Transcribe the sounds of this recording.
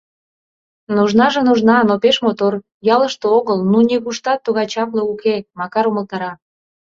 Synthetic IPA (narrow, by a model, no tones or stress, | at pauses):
nuʒnɑʒĕnuʒnɑnopeʃmot̪or | jɑləʃt̪ooɣəlnunʲekuʃt̪ɑt̪ːuɣɑjt͡ɕɑpleukemɑkɑɾuməlt̪ɑɾɑ